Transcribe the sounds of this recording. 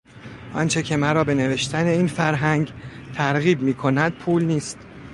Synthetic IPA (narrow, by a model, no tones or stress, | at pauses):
ʔɒ̰nt͡ʃʰe̞cʰe̞mæɾɒːbe̞ne̞ve̞ʃt̪ʰæne̞iːnfæɾɦæŋɟt̪ʰæɾɣiːb̚miːkʰo̞næd̪̥̚pʰuːlniːst̪